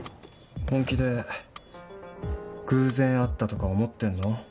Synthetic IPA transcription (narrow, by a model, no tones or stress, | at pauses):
hõŋkʲid̪e̞ | kɯ̟ːzẽ̞ɰ̃at̪ːat̪o̞kaomo̞t̪ːẽ̞nːo̞